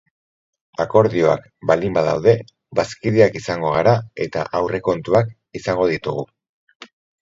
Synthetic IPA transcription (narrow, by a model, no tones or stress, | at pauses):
ako̞ɾðio̞a̰k | bald̪imbaða̰wðe̞ | baskiðiakisaŋɡo̞ɣaɾae̞t̪aʔawre̞ko̞nt̪uak | isaŋɡo̞ðit̪uɣ̞u